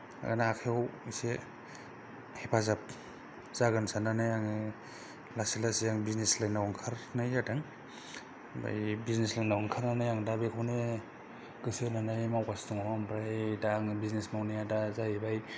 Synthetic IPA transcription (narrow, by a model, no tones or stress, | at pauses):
a̰naakʰewse | hepʰazap̚ | z̥aɡɯnsananajaŋ | lasilasijaŋbizneslajnawaŋkʰaɾnajadaŋ | ba̰jbizneslajnawɔŋkʰaɾnanajaŋdabekʰawne | ɡ̥ɯsenanajmawkastuŋamambɾajdaŋbiznesmawnajadazajibaj